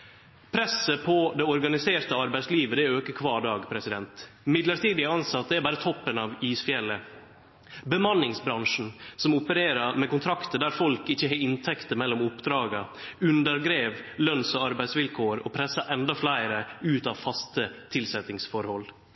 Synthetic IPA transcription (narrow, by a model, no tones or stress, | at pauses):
pʰɾɛsəpʰɔd̪ɛɔɾɡɑnɪseːɾt̪əɑɾbæɪsliːʋəd̪ɛæøːkəkʰʋɑːɖɑːɡpʰɾɛsɪd̪ɛnt̪mɪd̪ləɾt̪iːd̪ɪɑnsɑt̪̚əd̪ɛæɾbɑːɾət̪ʰɔpːənɑʋiːsfjɛlːə | bəmɑnːɪŋsbɾɑŋʂn̩sɔmʊpəɾeːɾɑɾmɛkʊnt̪ʰɾɑkt̪əd̪æɾfɔlkɪçːəɦeɪnt̪ʰɛkt̪əɾmɛlːɔmʊpd̪ɾɑːɡəʉnd̪əɾɡɾeːʋlœnsɔɑɾbæɪsʋɪlkʰoːɾɔ̰pʰɾɛsːɑʔɛnd̪ɑflæɪɾəʉːt̪ɑːʋfɑst̪ət̪ʰɪlsɛt̪ɪŋsfɔɾhɔl